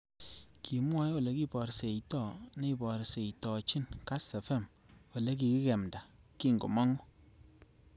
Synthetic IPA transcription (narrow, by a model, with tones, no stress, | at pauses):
kʰi˨mwɔ˦jwo˨le˨˦ki˦pɔ˨ɾse˨itɔ˦˨ne˦i˨pɔ˨ɾse˨i˨tɔ˨t͡ʃi˦nka˦sɛ˨fɛ˦˨m | o˨le˦k̬i˨ki˦kɛ˨mda˨ | ki˦˨ŋɡṵ˨mɔ˦ŋʊ˦